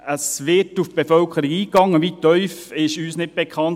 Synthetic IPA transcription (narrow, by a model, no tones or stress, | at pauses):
əsʋɪtufb̥efœlkʰəɾiɡiːkɑŋːəʋitœʏfɪʃyːsnɪt̚b̥ɛkʰɑn